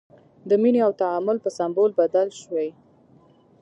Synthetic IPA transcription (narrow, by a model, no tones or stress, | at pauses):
d̪əmineawt̪aamʊlpəsambolbad̪alʃwaj